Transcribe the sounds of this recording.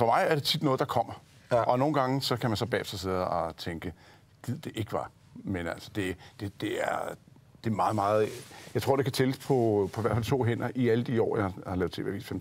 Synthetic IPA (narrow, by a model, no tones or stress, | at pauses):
fɒ̽mɑ̈ɪæɐɾ̥e̝t͡sʰid̥nɔ̽ːðˠd̥ɑ̈kʰɒ̽m̰ɐ | ʔɒ̽no̝ːn̩ɡ̥ɑ̈ŋəsɒ̽kʰæmænsɒ̽b̥ɛ̰ːfd̥ɒse̝ð̰ˠɒ̽t͡sʰeŋɡ̥ə | ɡ̥ið̰ˠd̥e̝ʔe̝ɡ̥əʋɑ̈ | menæl̰sɒ̥d̥e̝d̥e̝d̥e̝æɐ | d̥e̝mɑ̈ːð̞̩ˠmɑ̈ːð̩ˠjɑɪt͡sʰo̝ɐ̰de̝kʰæt͡sʰeləspʰɒ̽pʰɒ̽iʋæɐ̰fælt͡sʰo̝̰ːɦen̰ɐʔiæləd̥iɒ̰ːjɑhɑ̈lɛ̰ːʊ̥t͡sʰe̝ːʋe̝ɐʋḭːsfem̰